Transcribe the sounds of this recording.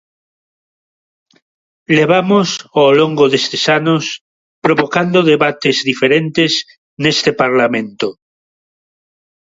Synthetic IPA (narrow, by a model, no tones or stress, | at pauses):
leβamosawloŋɡoðest̪esanos | pɾoβokand̪oðeβat̪ezðifeɾẽnt̪ez | nest̪epaɾlamẽnt̪o